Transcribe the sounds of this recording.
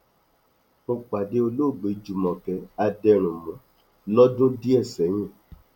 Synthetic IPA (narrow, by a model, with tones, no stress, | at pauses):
o˧k͡pa˨de˧˦o˧lo˦˨ɡ͡be˨˦d͡ʒu˨mɔ̃˨kɛ˨a˧dɛ˧ɾ̃ũ˨mɔ̃˨ | lɔ˦dõ˦di˦ɛ˦˨sɛ˨˦j̃ɛ̃˦˨